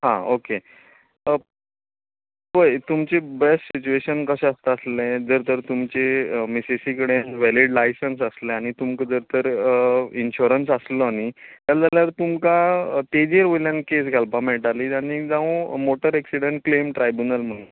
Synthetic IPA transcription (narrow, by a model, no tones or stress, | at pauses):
ɦã̰oke | ʋəjt̪umt͡ɕebesʈsit͡ɕueɕənkəɕɛ̃əst̪əəslẽd͡zəɾt̪əɾt̪umt͡ɕemisesikəɽenʋɛliɽlajsəns̬əslɛ̃aɽ̃it̪umkəd͡zəɾt̪əɾ | inɕuɾənsaslɔaɽ̃it̪jad͡zaljaɾt̪umkat̪ed͡ʑiəɾʋojljankesɡʱalpameʈaliːaɽ̃id͡zãũmoʈəɾɛksiɽəɳʈ̚klemʈɾajbjunəlm̤əɽ̃un